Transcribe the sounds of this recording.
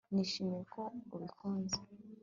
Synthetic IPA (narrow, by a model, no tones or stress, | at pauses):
niʃimiɾekouβikʰoːnze